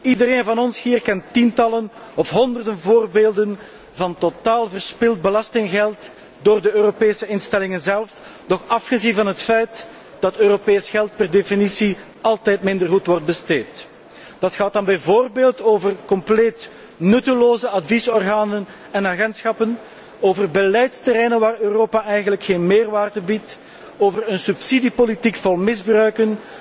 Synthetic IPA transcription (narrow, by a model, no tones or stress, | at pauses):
idəɾeːnvɑnɔnshiːrkɛntːintɑlənɔfɦɔndərdənvoːrbeːlˠdən | vɑntotaːlˠvərspɪlˠd̚bəlɑstɪŋɣɛlˠt | doːrdəøːropeːsəɪnstɛlɪŋənzɛlˠf | dɔxɑfxəzinvɑnɦətfɛjt | d̥ɑtøːropeːsxɛlˠt̚pɛrdefinisi | ɑlˠtɛːjtmɪndərɦutʋɔrd̚bəsteːt | d̥ɑtxaːt̚ɑnbɛjvoːrbeːlˠtoːvərkɔmpleːt | nɵtəloːzəɑdvisɔrɣaːnən | ɛnaɣɛntsxɑpən | oːvərbəlɛjtstəɾɛjnənʋaːrøːroːpaʔɛjɣənləkxeːnmeːrʋaːrdəbit | oːvəɾənsypsidipolitikfɑlˠmɪzbrœɥkən